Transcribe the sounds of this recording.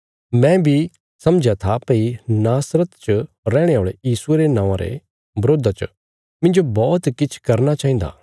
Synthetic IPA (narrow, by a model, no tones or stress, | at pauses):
mɛ̃bʱi | sɐ̃md͡ʒat̪ʰapeinaːsɾət̪t͡ʃə | ɾɛːɽ̃eɦoːɭejiːsueɾenãːãɾḛ | bɾoːd̪ʱat͡ʃə | mɪ̃nd͡ʒobɔːt̪kɪt͡ʃʰkɐɾnat͡ʃaːɦĩn̆d̪a̰ː